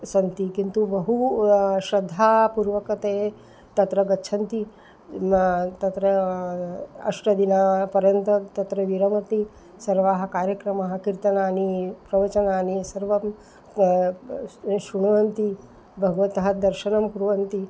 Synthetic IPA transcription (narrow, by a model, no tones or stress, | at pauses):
sɐnt̪ikint̪ubɐɦuʃɾɐd̪ʱːaːpuɾʋɐkɐt̪eː | t̪ɐt̪ɾɐɡɐtːʃʰɐnt̪i | t̪ɐt̪ɾɐ | ɐ̰ʂʈɐd̪inaːpɐɾjɐnt̪ɐt̪ɐt̪ɾɐʋiɾɐmɐt̪i | sɐɾʋaːɦɐ̆kaːɾjɐkɾɐmɐɦɐ̆kiɾt̪ɐnaːnipɾɐʋɐt͡ʃɐnaːnisɐɾʋɐm | ʃuɳ̃ɐʋɐnt̪i | bʱɐɡɐʋɐt̪ɐɦɐd̪ɐɾʃɐnɐmpuɾʋɐnt̪i